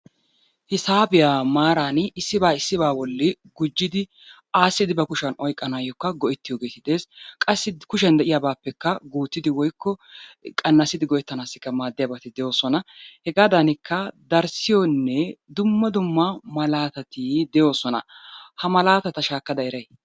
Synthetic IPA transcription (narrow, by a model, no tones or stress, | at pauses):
hɪsaːbɪjaːmaːɾaːnɪsːɪbaːɪsːɪbaːwɔlːɪ | ɡʊd͡ʒːɪd̪ɪ | aːsːɪd̪ɪbɐkʊʃɐnɔjkʼːɐnaːjɔkːɐɡɔʔɛt̪ːɪjoːɡeːt̪ɪd̪e̞ːskʼɐsːɪkʊʃɛnd̪ɛʔɪjaːbaːpːɛkːɐɡuːt̪ːɪd̪ɪwɔjkʰːɔkʼɐnːɐsːɪd̪ɪɡɔʔɛt̪ːɐnaːsːɪkːɐmaːd̪ːɪjaːbɐt̪ɪd̪ɛjo̞ːsɔnɐhɛɡaːd̪ɐnɪkʰːɐd̪ɐɾsɪjɔnːɛd̪ʊmːɐd̪ʊmːɐmɐlaːt̪ɐt̪ɪd̪ɛjo̞ːsɔnɐ̰hɐmɐlaːt̪ɐt̪ɐʃaːkːɐd̪ɐɛɾɐj